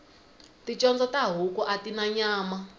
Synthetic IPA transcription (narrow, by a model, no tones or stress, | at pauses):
tit͡ʃɔnd͡zɔtaɦukuʔatinaɲaːma